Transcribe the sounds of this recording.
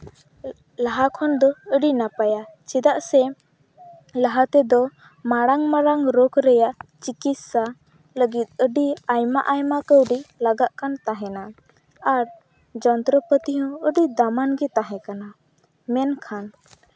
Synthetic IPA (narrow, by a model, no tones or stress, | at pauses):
laɦakʰɔnd̪ɔəɖinapajat͡ʃɛd̪aʔsɛ | laɦat̪ɛd̪ɔ | maɽaŋmaɾaŋɾɔkɾɛjaʔt͡ʃikit̪sa | ləɡit̪̚əɖiajma̰ʔajmakəwɖilaɡaʔkʰant̪aɦɛna | aɾ | d͡ʒɔnt̪ɾəpət̪iɦɔ̃əɖid̪amanɡɛt̪aɦɛ̃kana | mɛnkʰan